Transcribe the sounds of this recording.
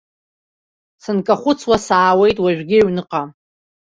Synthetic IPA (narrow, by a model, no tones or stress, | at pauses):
sɨnkʼaχʷʊt͡sʰwasaːwe̞jtʼwaʒᶣʷɡʲɪɥnɨqʼa